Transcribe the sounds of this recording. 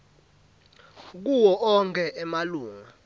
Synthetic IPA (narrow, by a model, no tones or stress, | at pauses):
k̬uwɔʔɔŋkʰʼɛʔɛmaluːŋŋa